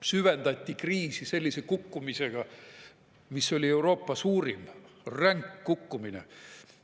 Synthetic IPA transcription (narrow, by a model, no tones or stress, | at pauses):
syvend̪ɑt̪ʲːikriːsise̞lʲːisekukːumise̞ɡ̥ɑ | misːo̞lʲie̞uwɾo̞ːpːˑɑsuːɾimræŋkːukːumine